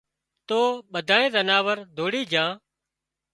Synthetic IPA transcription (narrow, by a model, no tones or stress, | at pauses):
t̪oːɓəd̪ʱaːẽːzənaːʋəɾd̪ʱoːɽiːd͡ʒãː